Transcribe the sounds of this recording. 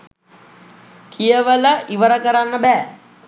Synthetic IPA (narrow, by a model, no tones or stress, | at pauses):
kʰijəʋələʔiʋəɾəkəɾanːəbæː